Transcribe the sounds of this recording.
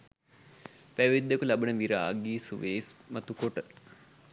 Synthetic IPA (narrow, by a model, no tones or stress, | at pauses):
pæʋid̪ːekulabənəʋiɾaːɡiːsuʋeːsmɐt̪ukoʈə